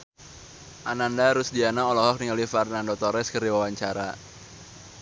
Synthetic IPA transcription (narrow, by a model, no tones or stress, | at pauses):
ʔanandaɾʊsdianaɔlɔɦɔk̚niŋalifarnandɔt̪ɔɾɛskərdiwawaɲt͡ʃaɾa̰